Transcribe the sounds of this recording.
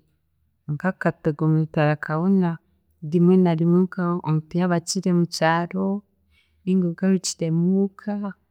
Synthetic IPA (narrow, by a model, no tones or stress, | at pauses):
ŋkakateɡomutaɾakʰaβona | dimwenaɾimweŋkamtijaβat͡ʃiɾemut͡ʃaːɾo | iŋɡoɡaɾut͡ʃi̥ɾemukʰa